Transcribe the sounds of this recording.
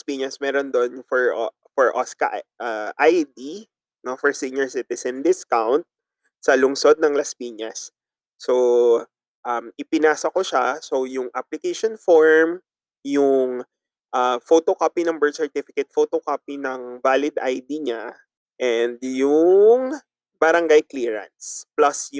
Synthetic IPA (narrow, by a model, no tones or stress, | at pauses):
spiːɲɐsmɛːɾond̪onfɔɹ | fɔɹʔoskɐ̰ʔʔaʔajd̪i | nofɔɹsiɲɛɹsit̪ɪsɛnd̪ɪskawnt̪̚ | sɐlʊŋsod̪̚nɐŋlɐspiːɲɐsː | o̞ | ʔɐmʔɪpɪnaːsɐkoʃaso̞jʊŋʔaplɪkejʃonfoɹm | jʊŋ | ʔafot̪okapinɐŋbɛɹd̪sɛɹt̪ifɪkɛt̪̚fot̪okapinɐŋvaːlɪd̪ʔa̰jd̪iɲa | ʔɛnd̪jʊŋ | bɐɾɐŋɡajkliːɹɐ̰nt̪splɐsj